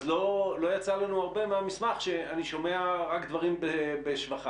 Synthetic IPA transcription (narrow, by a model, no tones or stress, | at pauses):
zlolo̞jat͡salanuaʁbe̞meamismaχʃeaniʃo̞me̞aʁakd̪vaʁimbebeʃvaχa